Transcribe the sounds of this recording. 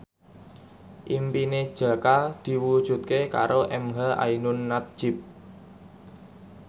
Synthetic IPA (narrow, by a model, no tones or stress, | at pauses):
ʔimpined̥ʒ̥a̤kad̪̥i̤wud̥ʒ̥ṳt̪̚keka̰ɾoʔɛmɦaʔa̰inʊnːat̪̚ʒ̥ɪ̤p̚